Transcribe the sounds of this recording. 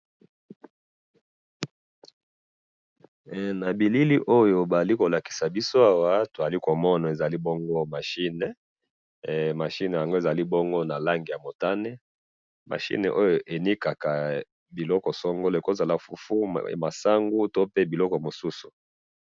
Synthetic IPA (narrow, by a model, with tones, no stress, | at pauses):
na˨bi˨li˦li˦ʔo˦jo˨ba˨za˨li˦ko˨la˨ki̥˨sa˨bi˦so˦a˦wa˦to˨a˨li˦ko˨mɔ˦na˨e˨za˨li˦bɔ˦ŋɡo˦ma˨ʃi˦ne˨ | ma˨ʃi˦ne˨ja˨ŋɡo˦e˨za˨li˦bɔ˦ŋɡo˦na˨la˦ŋɡi˨ja˨mo˨ta˦ne˦ | ma̰˨ʃḭ˦nḛ˨ʔo˦jo˨ʔe˨ni˦ka˨ka˨ | bi˨lɔ˦kɔ˨sɔ˦ŋɡo˦le˨ko˦za˨la˦fu˨fu˦˨ma˨sa˦ŋɡu˦to˦pe˦bi˨lɔ˦kɔ˨mo˨su˦su̥˨